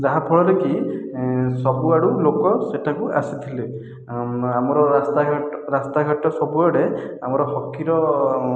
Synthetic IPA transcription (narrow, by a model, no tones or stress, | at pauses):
zaɦãpʰɔɭɔɾeki | sɔbuaɹulokɔsɛtʰakua̰sit̪ʰilɯ | amɔɹɔast̪aɹast̪aɦɔtɔsɔbuɔɾɛ | amɔɹɔxɔkʰːiɾɔ